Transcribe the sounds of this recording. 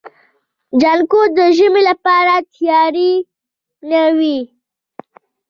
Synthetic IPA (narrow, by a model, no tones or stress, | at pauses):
d͡ʒankod̪əʒəmelapɑɾat̪jɑɾi | nawi